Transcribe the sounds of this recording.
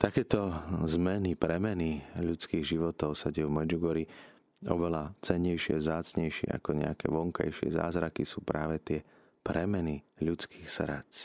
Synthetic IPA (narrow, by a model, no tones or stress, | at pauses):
t̪akɛːt̪ɔzmɛnipɾɛmɛniʎut͡skiːɣʒiʋɔt̪ɔʊsaɟɛjuvmɛd͡ʒuɡɔɾi | ɔ̰ʋɛlat͡sɛɲːɛjʃɪɛ̰vzaːt͡sɲɛjʃɪɛ̰a̰kɔɲɛ̰akɛ̰ːʋɔŋka̰jʃɪɛ̰za̰ːzɾakisuːpɾaːʋɛt̪ɪɛ | pɾɛmɛniʎut͡skʰi̥ːxsɾat͡s